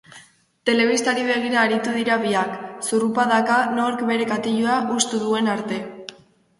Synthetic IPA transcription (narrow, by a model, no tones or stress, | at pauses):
t̪e̞le̞β̞ist̪aɾiβe̞ɣ̞iɾaːɾit̪uðiɾaβiaksurupaðakano̞ɾkβe̞ɾe̞kat̪iʎuaʔust̪uðue̞naɾt̪e̞